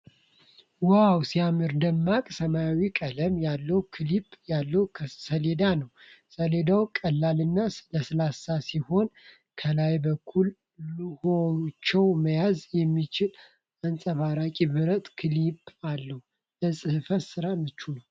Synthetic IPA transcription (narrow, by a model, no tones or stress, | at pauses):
wawsijamɨɾd̪əmːakʼsəmaawikʼələmjalːəhukʰɨlipʼjalːəwkʰsəle̞d̪anəw | səle̞d̪awkʼəlːalɨnːaləsɨlasasiho̞n | kʰəlajbəkʰːul | hot͡ʃːɛwməjazjɛmːit͡ʃɪl | ansʼəβaɾakʼibɨɾət̪ʼkʰɨlipʼalːəhu | ləsʼɨhɨfət̪sɨɾamɨt͡ʃːunəw